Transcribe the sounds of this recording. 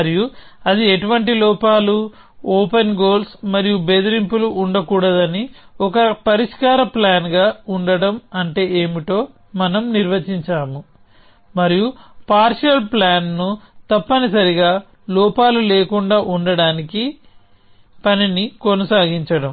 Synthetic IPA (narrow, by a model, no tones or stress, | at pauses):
ɐɾiju | ɐd̪ieʈuʋɐɳʈilɔːpaːlu | oːpenɡo̞ːlsmɐɾijubed̪iɾimpuluʔːɳɖɐkuːɽɐd̪ɐniɔkɐpɐɾiʂkaːɾɐplaːnɡaːuɳɖɐɽɐmɐɳʈe̞ːeːmiʈo̞ː | mɐnɐmniɾʋɐt͡ʃiɲt͡ʃaːmu | mɐɾijupaːɾʂɐlplaːnnut̪ɐpːɐnisɐɾiɡaː | lɔːpaːlulɛːkuɳɖaːʔuɳɖɐɽaːniki | pɐninikonɐsaːɡiɲt͡ʃɐɽɐm